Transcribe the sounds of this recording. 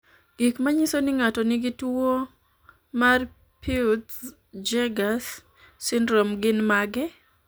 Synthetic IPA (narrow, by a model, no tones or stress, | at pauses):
ɡ̥ikmaɲisonɪŋatɔnɪɡɪtuo | mar | pʰit | d͡ʒɛɡasː | ɪndɾɔmɡɪnmaɡɛ